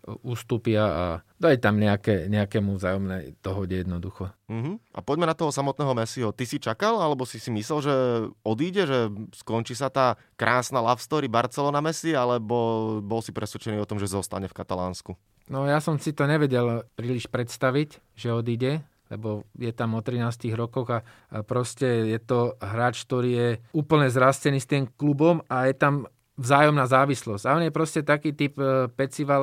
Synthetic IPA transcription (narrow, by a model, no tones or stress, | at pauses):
uːst̪upɪaa̰d̪ɔjt̪amɲɛakɛɲɛakɛmuvzaːjɔmnɛjd̪̥ɔɦɔɟɛjɛd̪nɔd̪uxɔm̩ɦ̩ʔa̰pɔɟmɛnat̪ɔɦɔsamɔt̪nɛːɦɔmɛsiɦɔt̪isit͡ʃakalalɛbɔsisimislɛlʒɛɔd̪iːɟɛʒɛskɔnt͡ʃiːs̬at̪aː | kɾʔaːsnalafst̪ɔɾibaɾt͡sɛlɔnamɛsialɛbɔbɔlsipɾɛsʋɛt͡ʃɛniːɔt̪ɔmʒɛzɔst̪a̰ɲɛfkat̪alaːnsku | nɔjasɔmsit̪ɔɲɛʋɛɟɛlpɾiːliʃpɾɛt̪st̪aʋic | ʒɛɔd̪iɟɛ | lɛ̰bɔjɛt̪amɔt̪ɾinaːst̪iːɣɾɔkɔɣa | pɾɔscɛjɛt̪ɔɦɾaːt͡ʃk̚t̪ɔɾiːjɛuːpl̩ɲɛzɾascɛniːst̪iːmklubɔmajɛt̪am | vzaːjɔmnaːzaːʋislɔzɟ̥aɔnjɛpɾɔscɛt̪akiːt̪ippɛt͡siʋa